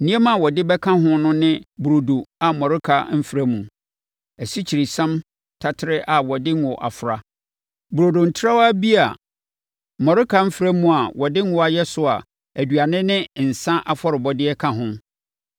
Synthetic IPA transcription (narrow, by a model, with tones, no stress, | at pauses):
n̩˨nĩ˦ɛ˦mã˦˨wɔ˨dɪ˦bɛ˦kʰã˦ɦʊ̃˦nʊ̃˦nɪ̃˦bu˨ɾo˨do˨a˨mɔ̃˨ɾɪ˦kʰa˨m̩˦fi˨ɾa˦mũ˨ | æ˨si˦t͡ɕʰi˨ɾi˨sã˦m | tʰa˦tʰɪ˦ɾɪ˦ʔa˨wɔ˨dɪ˦n˦wɔ˨ʔa̰˨fʊ˨ɾa˨ | bu˨ɾo˨do˨n̩˨tʰɪ˦ɾa˦wa˦bi˦a˨ | mɔ̃˨ɾɪ˦kʰa˨m̩˦fi˨ɾa˦mũ˨a˨wɔ˨dɪ̃˦n̩˦wɔ˦a˨jɛ˦sʊ˨a̰˨ | æ˨dɥa˨nɪ̃˦nɪ̃˦n̩˨sã˦ʔa˦fɔ˦ɾɪ˨bɔ˦dɪ˦ɛ˦kʰã˦ɦʊ̃˦